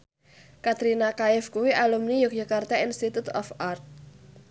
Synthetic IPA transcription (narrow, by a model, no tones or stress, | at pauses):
kat̪ɾinakaɪfkuwiʔalumnijuk̚jakart̪ainst̪it̪ut̪ɔ̰fart̪̚